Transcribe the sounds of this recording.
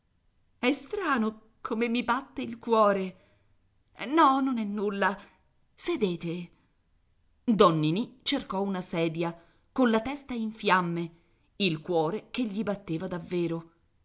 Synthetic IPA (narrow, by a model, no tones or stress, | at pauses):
ɛst̪ɾaːno | kʰomemːibat̪ːeilkwɔːɾe | nɔnonɛnːulːa | sed̪eːt̪e | d̪ɔnːinit͡ʃerkɔunasɛːd̪ja | konlat̪ɛst̪aiɱfjamːe | ilkwɔːɾekeʎːibat̪ːeːvad̪avːeːɾo